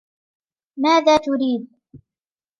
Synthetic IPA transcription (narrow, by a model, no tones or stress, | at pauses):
maːðaːt̪ʊɾiːd̪̚